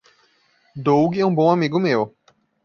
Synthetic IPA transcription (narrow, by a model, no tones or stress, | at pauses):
d̪owɡɪɛũbõamiɡʊmew